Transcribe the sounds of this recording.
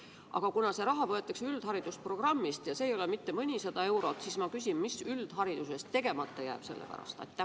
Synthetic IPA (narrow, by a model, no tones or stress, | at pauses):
ʔɑ̰ɡ̥ɑkunɑse̞ɾɑɦɑvɤ̞e̞t̪ːˑɑksyld̪̥hɑɾid̪̥uspro̞ɡ̥rɑmːist̪jɑse̞ːjo̞le̞mit̪ːe̞mɤnʲisɑd̪̥ɑe̞wɾo̞t̪siːsmɑkys̬ʲinmisyld̪̥hɑɾid̪use̞st̪ːe̞ɡ̥e̞mɑt̪ˑːɑjæ̰ːb̥se̞̰lːepæ̰ɾɑ̰st̪ɑ̰jt̪ːˑæ